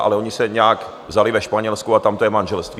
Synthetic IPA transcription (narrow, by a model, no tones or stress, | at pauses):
ʔa̰lɛo̞ɲɪsɛɲɛak | vzalɪvɛʃpaɲɛlskuat̪amt̪ojɛmanʒɛlst̪viː